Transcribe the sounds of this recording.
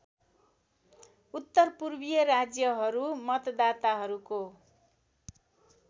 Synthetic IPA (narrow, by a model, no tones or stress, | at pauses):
ut̪ːʌrpurbijʌɾad͡zjʌɦʌɾumʌt̪d̪at̪aɦʌɾuko